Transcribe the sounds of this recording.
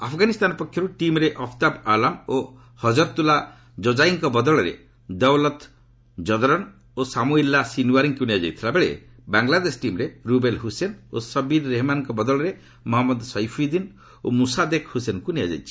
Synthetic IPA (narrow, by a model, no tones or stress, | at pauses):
apʰɔɡanist̪anɔpɔkʰjɔɾuʈimɾeʔɔpʰt̪abalamo | hɔd͡ʒɔɾt̪ula | d͡ʒɔd͡ʒajŋkɔbɔd̪ɔɭɔɾḛ | d̪ɔwlɔt̪ | d͡ʒɔd̪ɔɾɔn | osamuilːasinuaɾiŋkunijad͡ʒa̰jt̪ʰilabeɭḛ | baŋlad̪esʈimɾeɾubelɦusenosɔbiɾːeɦmanɔŋkɔbɔd̪ɔɭɔɾe | mɔɦamːɔd̪sɔjpʰid̪in | omusad̪ekhusenkunijad͡ʒa̰jt͡ʃʰi̥